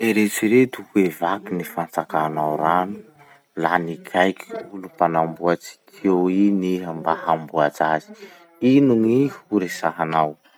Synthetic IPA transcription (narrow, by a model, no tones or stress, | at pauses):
eɾet͡siɾet̪uhuevakinifant͡sakanawɾanu̥ | lanikʰajkʰulupanambuat͡si̥kʰewiniɦambahambuat͡sazi̥ | inuŋihuɾesaɦanaw